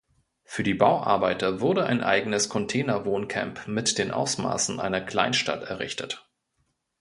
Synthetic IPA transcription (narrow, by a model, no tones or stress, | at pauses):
fyːɐdiːbaʊʔa̰ɐbaɪtɐvʊɐdəʔa̰ɪnʔa̰ɪɡənəskʰɔntʰɛːnɐvoːnkʰɛ̰mpmɪtd̥eːnʔa̰ʊsma̰ːsn̩ʔa̰ɪnɐkl̥a̰ɪnʃta̰tɛɐʁɪ̰çtʰət